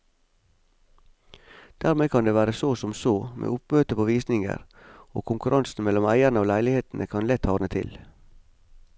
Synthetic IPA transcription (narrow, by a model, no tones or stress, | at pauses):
d̪̥æːɾmeːkʰɑnd̪eːʋæːɾəsoːsɔmsoːmʔḛːʊpmøːt̪əpʰoːʋiːsnɪŋə̰ɾo̰ːkʰʊŋkʉɾʔɑnsn̩mɛlɔmæɪənəoːlæɪlɪheːt̪n̩ʔəkʰɑnlɛt̪ʰhɑːnət̪ʰɪ̰l